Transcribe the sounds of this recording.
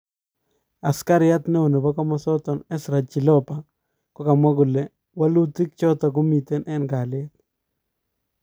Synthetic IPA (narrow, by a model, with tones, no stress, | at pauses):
a˨ska˦ɾɪ˦a˦t̪ne˦o˨ne˨ba˦kɔ˦mɔ˦sɔ˦t̪ɔ˨nɛ˦sɾa˨t͡ʃi˨lɔ˦pa˨ | kɔ˦ka˨mwa˦ɡʊ˨le˨ | wa˦lu˦ti˦k̚t͡ʃɔ˦t̪a˨ko˦mi˨t̪e˦nʔɛ˦nɡa˨le˦t̪̚